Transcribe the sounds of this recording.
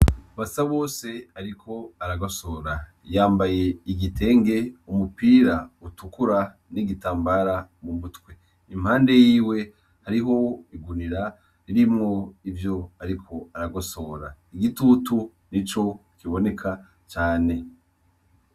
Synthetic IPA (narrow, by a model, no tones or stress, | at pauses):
βasaβo̞ːse̞aɾikʰo̞aɾaɡo̞so̞ɾa | jaːmbaje̞iɡitʰe̞ːŋɡe̞umupiːɾautukuɾa | niɡitaːmbaɾamumutkwe | im̥haːnde̞jiːwe̞ | haɾiɦo̞iɡuniɾa | ɾiɾimŋo̞ivjo̞aɾikʰo̞aɾaɡo̞so̞ɾaiɡitutu | nit͡ʃo̞kiβo̞ne̞kʰa | t͡ʃaːne̞